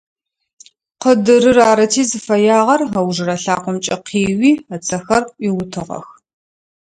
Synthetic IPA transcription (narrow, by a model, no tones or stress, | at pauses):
qədɨɾɨraːɾɐtʰiːzɨfɐjaːʁɐrɦɐwʐɨrɐɬaːqʷʊmt͡ʃʼɐqʰiːwiːɐt͡sʰɐxɐrʔʷiwʊtʰɨʁɐ̰x